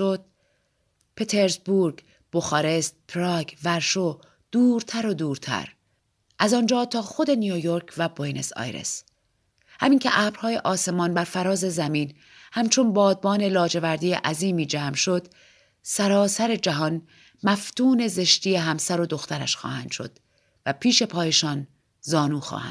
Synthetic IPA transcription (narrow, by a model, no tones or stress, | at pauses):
od̪̥̚ | pʰe̞t̪ʰe̞ɾzbuɾɡ | b̥oxɒːɾe̞st̪̚pʰɾɒɡvæɾʃo | d̪̥uːɾt̪ʰæɾo̞d̪uːɾt̪ʰæ̰ɾ | ʔæzɒːnd͡ʒɒːt̪ʰɒːxo̞d̪e̞nijojo̞ɾkʰvæbojnḛsɒ̰jɾḛs | hæ̰miːŋcʰeʔæːbɾ̥hɒːje̞ʔɒːse̞mɒːnbæɾfæɾɒːze̞zæmiːn | hæmt͡ʃʰo̞nbɒːd̪̚bɒːne̞lɒːd͡ʒe̞væɾd̪iːjḛʔæziːmiːd͡ʒæːmʃo̞d̪̥ | sæɾɒːsæɾe̞d͡ʒæɦɒːn | mæft̪uːne̞ze̞ʃt̪iːje̞ɦæmsæɾo̞d̪o̞xt̪ʰæɾæ̰ʃxɒ̰ːhænd̪̥ʃo̞̰d̪̥ | væpʰiːʃe̞pʰɒːje̞ʃɒːn | zɒːnuːxɒ̰ːhæ̰n̥